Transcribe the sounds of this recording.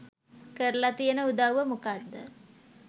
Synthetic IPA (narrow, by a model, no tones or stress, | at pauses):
kəɾəlat̪ijənəud̪aʋwʋəmukad̪ːə